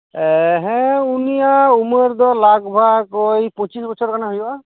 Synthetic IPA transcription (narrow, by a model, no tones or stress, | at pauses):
ɦɛ̃unijauməɾd̪ɔlakbʱakɔjpɔ̃t͡ʃisbɔsʰɔɾkanaɦuja